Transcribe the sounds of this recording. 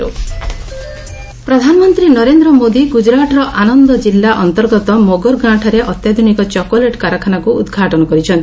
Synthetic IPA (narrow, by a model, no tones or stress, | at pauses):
u | pɾɔd̪ʱanɔmɔnt̪ɾinɔɾend̪ɾɔmod̪iɡud͡ʒɾaʈɔɾɔʔanɔnd̪ɔd͡ʒilːaʔɔnt̪ɔɾɡɔt̪ɔmoɡɔɾɡɾãʈʰaɾeʔɔt̪jad̪ʱunikɔt͡ʃɔkoleʈkaɾɔkʰanakuṵd̪ɡʱaʈɔnɔkɔɾit͡ʃʰɔnt̪i